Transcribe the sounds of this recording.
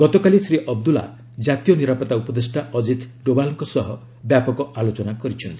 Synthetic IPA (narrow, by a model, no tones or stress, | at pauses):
ɡ̥ɔt̪ɔkalisɾiʔɔb̚d̪ula̰ | d͡ʒat̪ijɔniɾapɔt̪aupɔd̪esʈaɔd͡ʒit̪ɖobalɔŋkɔsɔɦɔ | bjapɔkɔalot͡ʃɔnakɔɾit͡ʃʰɔnt̪i̥